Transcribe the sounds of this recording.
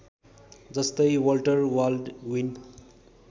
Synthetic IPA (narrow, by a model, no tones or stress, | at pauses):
d͡zʌst̪ʌjwʌlʈʌrwalɖwin